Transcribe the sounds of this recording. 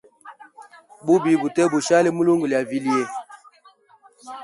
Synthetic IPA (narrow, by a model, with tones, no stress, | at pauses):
bu˦bi˨bu˨tɛ˦bu˨ʃa˦le˦mu˦lo˦ŋɡu˨lja˨vi˦li˦e˦